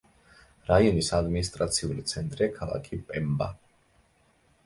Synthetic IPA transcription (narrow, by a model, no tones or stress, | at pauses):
ɾaiɔnisad̪minist̪ʼɾat̪sʰiulit̪sʰɛnt̪ʼɾɛkʰalˠa̰kʰipʼɛmba̰